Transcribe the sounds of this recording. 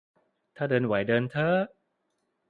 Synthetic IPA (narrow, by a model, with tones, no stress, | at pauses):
t̪ʰaː˥˩dɤː˧nwa˩˦jdɤː˧nt̪ʰə˦˥